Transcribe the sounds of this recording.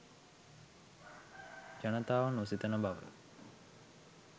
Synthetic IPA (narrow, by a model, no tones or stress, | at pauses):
d͡ʒanət̪aːʋanusit̪ənəbaʋə̰